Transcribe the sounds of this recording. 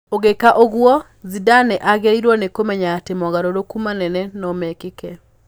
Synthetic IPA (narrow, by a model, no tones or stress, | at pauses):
oɣekaʔoɣwɔ | zidanɛʔaɣaiɾwɔnekomɛɲatemɔɣaɾoɾokumanɛnɛnɔmɛkekɛ